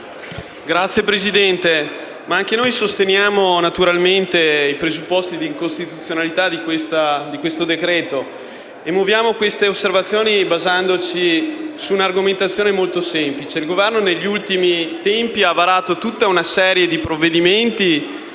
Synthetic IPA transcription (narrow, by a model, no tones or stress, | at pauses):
ɡɾat̪sːjepɾezid̪ɛnt̪e | maaŋk̟enojsost̪enjaːmonat̪uɾalment̪eipɾezupːɔst̪id̪iŋkost̪it̪ut̪sːjonalit̪ad̪ikwest̪ad̪ikwest̪od̪ekɾɛːt̪o | emovjaːmokwest̪eosːervat̪sːjoːnibazand̪ot͡ʃisuːnarɡoment̪at̪sːjoːnemolt̪osɛmplit͡ʃeilɡovɛrnoneʎːult̪imit̪ɛmpiavaɾaːt̪ot̪ut̪ːaunasɛːɾjed̪ipɾovːed̪iment̪i